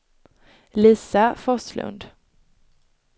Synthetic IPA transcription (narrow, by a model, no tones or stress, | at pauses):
liːsafɔslɵ̰nd̪